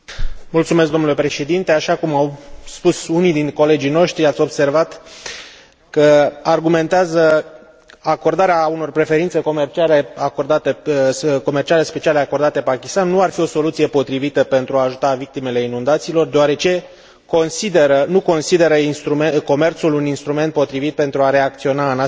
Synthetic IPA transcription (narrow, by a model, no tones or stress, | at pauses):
mult̪sume̞sk̚ɡd̪o̞mnule̞pɾe̞ʃe̞d̪int̪e̞aʃakumawspusunijd̪inko̞le̞d͡ʒino̞ʃt̪ɾiat̪sʲo̞bse̞rvat̪ | kəarɡume̞nt̪eazə | ako̞rd̪aɾeauno̞rpɾe̞fe̞ɾint̪seko̞mert͡ʃiale̞ako̞rd̪at̪eko̞mert͡ʃiale̞spe̞t͡ʃiale̞ako̞rd̪at̪e̞pakʲist̪anːuarfio̞so̞lut̪sije̞po̞t̪ɾivit̪əpe̞nt̪ɾuaːʒut̪avik̚t̪ime̞le̞inund̪at̪siːlo̞rd̪eoaɾe̞t͡ʃe̞ | ko̞nsid̪eɾənuko̞nsid̪e̞ɾəinst̪ɾumeko̞me̞rt̪suluninst̪ɾume̞nt̪̚po̞t̪ɾivit̪̚pe̞nt̪ɾuaɾe̞ak̚t̪sio̞nana